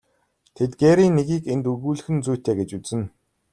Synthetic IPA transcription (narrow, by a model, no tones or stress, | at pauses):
t̪ʰet̪̚ɡeːɾiːnːeɣiːkent̪uɣuːɮɘ̆xɘ̆nt͡sujʰt̪ʰeːɡet͡ɕut͡sɘ̆n